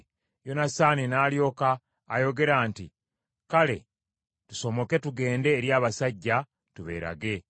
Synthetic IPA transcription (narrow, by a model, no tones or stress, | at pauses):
jo̞nasaːninaːljo̞ːkaː | jo̞ɡe̞ɾaːnti | kale̞̰ | tu̥so̞mo̞ke̞tuɡe̞ːnde̞ːɾjaːβasaɟːa | tuβe̞̰ːɾa̰ɡe̞